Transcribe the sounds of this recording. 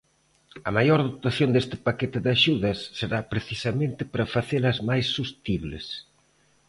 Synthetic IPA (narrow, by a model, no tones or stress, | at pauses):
ɐmajoɾðot̪aθjond̪est̪ɪ̥paket̪ɪðaʃuðɐsːeɾapɾeθisɐmẽnt̪ɪpɾɐfaθelɐzmajsːust̪iβlɪ̰s